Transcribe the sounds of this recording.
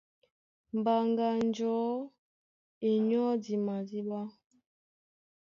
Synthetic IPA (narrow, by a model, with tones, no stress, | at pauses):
m˨ba˨ŋɡa˨n˦d͡ʒɔ˨˦ | e˨ɲɔ˦di˨ma˨di˦ba˦